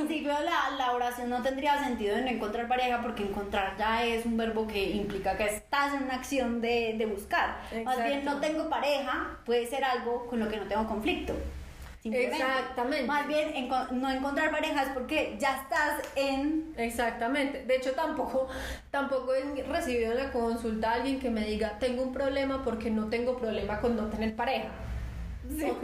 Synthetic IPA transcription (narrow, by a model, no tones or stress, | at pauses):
ɾinsipjolalaoɾasjo̞nːo̞t̪e̞nd̪ɾiase̞nt̪̬iðo̞eno̞eŋko̞nt̪ɾaɾpaɾe̞xapo̞ɾkeːŋkõ̞nt̪ɾaɾd͡ʒae̞sumbe̞ɾβo̞ke̞implikakeest̪asenunaːksjo̞nd̪ed̪e̞βuskaɾmazbjennot̪e̞ŋɡo̞paɾe̞xapweðese̞ɾalɡo̞ko̞nlo̞keno̞t̪eŋɡoko̞ɱflik̚t̪o | simelemakt̪amẽntmazbje̞neŋkono̞eŋkont̪ɾaɾpaɾe̞xaspo̞ɾked͡ʒaest̪aseneksak̚t̪amẽ̞nt̪e̞d̪e̞et͡ʃo̞t̪ampo̞kot̪ampo̞koesre̞siβiðoenlakonsult̪aalɡje̞ŋke̞me̞ðiɡat̪e̞ŋɡoumpɾo̞βle̞mapo̞ɾke̞no̞t̪e̞ŋɡo̞pɾo̞βle̞makonnot̪e̞ne̞ɾpaɾe̞xa